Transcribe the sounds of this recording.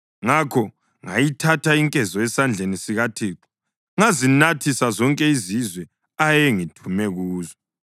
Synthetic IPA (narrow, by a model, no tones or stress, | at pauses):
ŋakʰɔ | ŋa̰jitʰatʰaiŋkʼɛzɔɛsand͡ɮʱenisiɣatʰiːǃu̥ | ŋazinatʰisazɔŋkʼɛizizwɛ | ajeŋitʰumɛɣuːzɔ